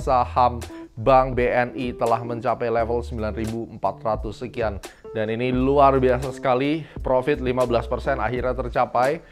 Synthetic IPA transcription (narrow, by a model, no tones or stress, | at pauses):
sahambaŋbeɛnit̪əlahməɲt͡ʃapajlɛfəlsəmbilanribuəmpat̪rat̪usəkiandaniniluarbiasasə̥kalipɾofɪt̪̚limabəlaspərsɛna̰ɦiɾɲat̪ərt͡ʃapaj